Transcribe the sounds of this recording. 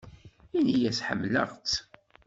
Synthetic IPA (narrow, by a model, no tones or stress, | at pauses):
inijæsħə̰mːlə̰ʁt͡s